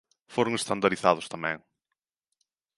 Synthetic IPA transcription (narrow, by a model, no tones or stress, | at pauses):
foɾʊŋest̪and̪aɾiθaðʊst̪amɛ̰̃ŋ